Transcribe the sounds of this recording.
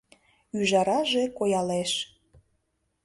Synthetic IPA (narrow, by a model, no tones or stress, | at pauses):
yʒɑɾɑʒekojɑleʃ